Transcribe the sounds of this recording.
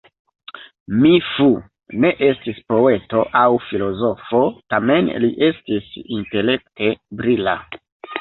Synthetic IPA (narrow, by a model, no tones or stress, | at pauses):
mifu | ne̞ʔe̞stispo̞e̞to̞ʔawfilo̞zo̞fo̞tame̞nliʔe̞stisinte̞le̞k̚te̞bɾila̰